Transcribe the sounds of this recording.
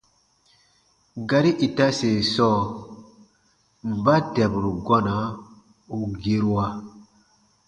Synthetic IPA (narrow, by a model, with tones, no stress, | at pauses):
ɡa˨ɾi˦ʔi˨ta˦se˨sɔː˦˨ | m̩˨ba˦dɛ˨bu˨ɾu˨ɡɔ˦na˨˦ | u˨ɡe˦ɾu˦wa˦